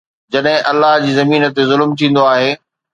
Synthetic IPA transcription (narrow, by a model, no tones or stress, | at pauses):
d͡ʑɐɗɦɪ̃ʔɐlːaɦd͡ʑiːzɐmiːnə̆t̪ezʊlmt̪ʰĩːn̆d̪oaːɦeː